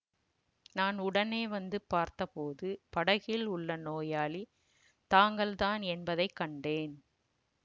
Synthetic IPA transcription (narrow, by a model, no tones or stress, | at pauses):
naːnʊɽɐneːʋɐnd̪ɯpːaːɾt̪ɐpoːðɯpɐɽɐɣɪlʊɭːɐnoːjaːli | t̪aːŋɡɐɭt̪aːnɛnbɐðɐɪkːɐɳɖeːn